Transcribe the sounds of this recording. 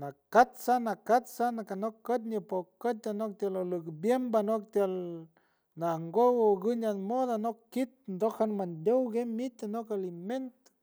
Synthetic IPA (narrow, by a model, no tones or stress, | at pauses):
nakat̪sanakat̪sanakanokːət̪̬̚ɲipokət̪̚anok̚t̪jalolukbjembanok̚t̪jal | naŋɡowoɡɨɲanmod̪anokːit̪̚nd̪okhanmand̪ʲowɡemit̪anokaliment̪